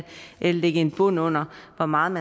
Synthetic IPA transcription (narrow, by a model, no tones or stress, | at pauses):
ʔelɐleɡ̥əe̝nb̥ɔn̰ɔ̽n̰ɐʋɒmɑ̈ːð̩ˠmæ